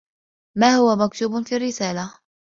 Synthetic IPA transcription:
maːhʊwamak̚t̪uːbnfiːrːɪsaːla

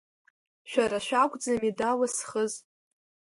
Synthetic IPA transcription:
ʃᶣaɾaʃᶣakʷʼd͡zamidawasχəz

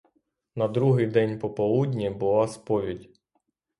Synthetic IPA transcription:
nɐd̪ɾuɦɪjd̪ɛnʲpɔpɔlˠudʲnʲibʊlˠɑspɔʋʲidʲ

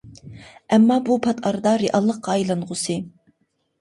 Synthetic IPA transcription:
ɛmːɑbupʰɑt̪ʰɑɾɨd̪ɑɾeʔɑlˠːəqːɑːjlˠɑnʁʊsɨ

